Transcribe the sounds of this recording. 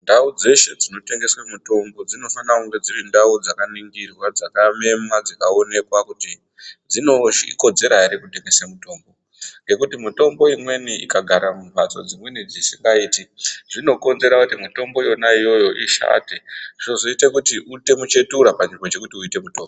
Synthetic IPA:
ndaud͡ze̞ʃe̞d͡zino̞te̞ŋɡe̞swamuto̞mbo̞d͡zino̞fanakuŋɡe̞d͡zirindaud͡zakaniŋɡirwad͡zakame̞mwad͡zakao̞ne̞kwakuti | d͡zino̞iko̞d͡ze̞ɾaiɾekute̞ŋɡe̞samuto̞ːmbo̞ | ŋɡe̞kutimuto̞mbo̞imwe̞niḭkaɡʱaɾamubʱat͡so̞̰d͡zimwe̞nid͡zisiŋɡaiːtiʐino̞ko̞nze̞ɾakutimito̞mbojo̞naijo̞jo̞ʔiʃa̰teozoitekutiʔute̞mut͡ʃe̞tuɾapanʐimbo̞t͡ʃe̞kutiuite̞mutoːmbo

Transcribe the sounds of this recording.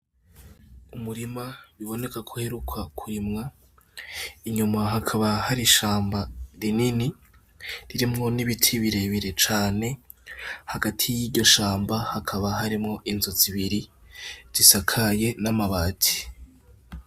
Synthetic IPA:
umuɾimaβiβo̞ne̞kakʰuhe̞ɾukʰakʰuɾimŋa | iɲumaɦakʰaβahaɾiʃaːmbaɾinini | ɾiɾimŋo̞niβitʰiβiɾe̞βiɾe̞t͡ʃaːne̞ | haɡatʰijiɟo̞ʃaːmbahakʰaβaɦaɾimŋo̞ʔinzo̞ziβiɾi | z̥isakʰaje̞namaβaːtʰi̥

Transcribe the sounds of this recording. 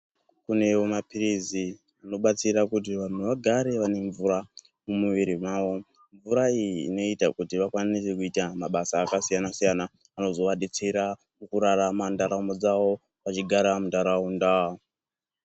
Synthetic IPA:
kune̞omapirizi | ano̞ɓat͡siɾakut̬iʋan̤uʋaɡʱaɾe̞ʋane̞ɱvuɾa | mumuʋiɾimwaːʋo̞ | ɱvuɾaiːno̞itakutiʋakwanise̞kuitamaɓasaːkasijanasijana | ano̞zo̞ʋaɗet͡se̞ɾa | mukuɾaramandaɾaumod͡zaʋo̞ | ʋat͡ʃiɡʱaɾamundaɾaunda

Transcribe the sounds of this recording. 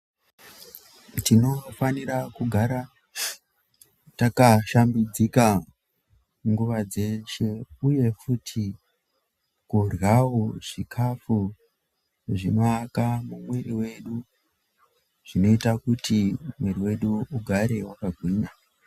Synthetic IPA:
tino̞faniɾakuɡʱaɾa | takaʃambid͡zika | ŋɡuʋad͡ze̞ʃe̞uje̞futʰi | kurjawoʐ̥ikʰafu | ʐino̞akamumweriwe̞ɗu | ʐ̥ino̞itakutimweriwe̞ɗuuɡʱaɾe̞wakaɡʱwiːɲa

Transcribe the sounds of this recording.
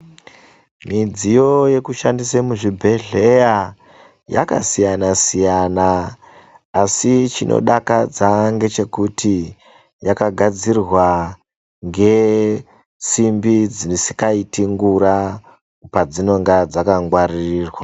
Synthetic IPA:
mid͡zijo̞je̞kuʃandisemuʐibʱe̞ɮe̞ja | ja̰ka̰sijanasijanaː | sit͡ʃinʔo̰ɗakad͡zaŋɡe̞t͡ʃe̞kutʰi | jakaɡʱad͡zirwa | ŋɡe̞ | t͡simbid͡zinisi̥kaitiŋɡuɾa | pad͡zino̞ŋɡad͡zakaŋɡwaririːrwa

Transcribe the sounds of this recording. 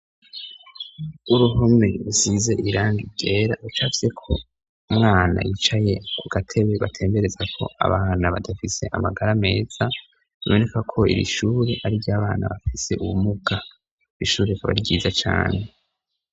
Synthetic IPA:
uɾuɦome̞ɾusize̞ʔiɾaːŋɡiɟe̞ːɾait͡ʃaːfi̥se̞kʰo̞ | umŋaːna̰jit͡ʃaje̞kʰuɡ̥atʰe̞βe̞βatʰe̞ːmbe̞ɾe̞zakʰo̞̰ʔa̰βaːnaβadafise̞̰ʔa̰maɡaɾame̞ːz̥a | βiβo̞ne̞kakʰo̞ḭɾḭʃuːɾe̞ʔaɾiɾjaːβaːna̰βafise̞ʔuβumuɡa | iʃuːɾekaβa̰ɾiɟiːzat͡ʃa̰ːne̞

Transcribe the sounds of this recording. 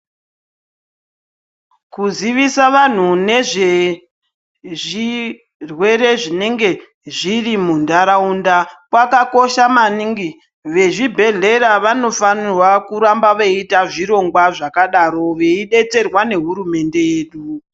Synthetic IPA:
kuziʋisaʋan̤une̞ʐe̞ | ʐi | rwe̞ɾe̞ʐine̞ŋɡe̞ | ʐirimundaɾaundakwakako̞ʃamaniŋɡi | ʋe̞ʐibʱe̞ɮe̞ɾaʋano̞fanirwakuɾambaʋeitaʐiɾo̞ŋɡwaʐakaɗaɾo̞ʋe̞iɗe̞t͡se̞rwane̞ɦuɾume̞nde̞jeːɗu

